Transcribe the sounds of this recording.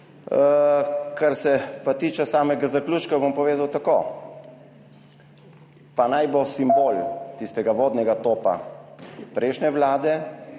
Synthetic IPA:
kʰaɾsɛpat̪iːt͡ʃɛsaːmɛɡazakluːt͡ʃkabompɔʋeːd̪awt̪ako | panajbosimbolt̪ist̪ɛɡaʋoːd̪nɛɡat̪oːpa̰ | pɾʔɛɪʃnɛʋlaːd̪ɛ

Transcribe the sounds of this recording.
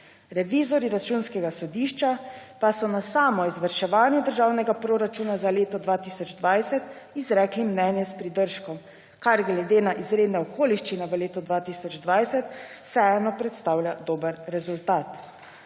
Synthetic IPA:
ɾɛʋiːzɔɾiɾat͡ʃuːnskɛɡasɔd̪iːʃt͡ʃapasɔnasaːmɔizʋəɾʃɛʋaːnjɛd̪əɾʒaːwnɛɡapɾoːɾat͡ʃuːnazaleːt̪ɔd̪ʋaːt̪iːsɔd͡ʒd̪ʋajsɛt̪izɾɛːklimnɛːnjɛspɾid̪əɾʃkɔm | kaɾɡlɛd̪eːnaʔizɾeːd̪nɛɔkʰoːliʃt͡ʃinɛʋəleːt̪ɔd̪ʋaːt̪iːsɔd͡ʒd̪ʋajsɛt̪sɛɛnɔpɾɛt̪st̪aːwlʲjad̪oːbəɾɾɛzult̪aːt̪

